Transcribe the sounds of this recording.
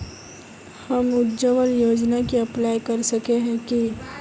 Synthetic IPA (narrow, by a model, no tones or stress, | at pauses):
hɐmʊt̪d͡ʒəʋəljoːd͡ʒnakiɐplaːjkɐɾsɐkeɦɛ̃ki